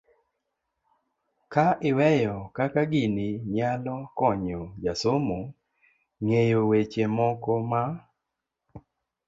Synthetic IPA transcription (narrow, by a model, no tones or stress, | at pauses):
kaʔɪwɛjɔkakaɡiniɲalɔkɔɲɔd͡ʒasomo | ŋejowet͡ʃemɔkɔma